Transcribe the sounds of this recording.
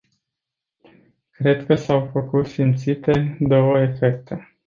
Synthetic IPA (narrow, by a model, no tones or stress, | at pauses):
kɾe̞d̪kəsawfəkut̪simt̪sit̪e̞d̪o̞wəe̞fe̞k̚t̪e̞